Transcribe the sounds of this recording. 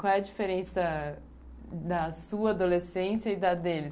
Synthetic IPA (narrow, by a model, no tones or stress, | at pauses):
kwawɛɐd͡ʒifeɾẽsɐ | d̪ɐsuɐad̪olesẽsjɐid̪ɐd̪elɪs